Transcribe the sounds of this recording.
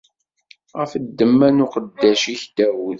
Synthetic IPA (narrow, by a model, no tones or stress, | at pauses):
ʁəfəd̪ːəmːænʊqəd̪ːæʃiçd̪̥æwuð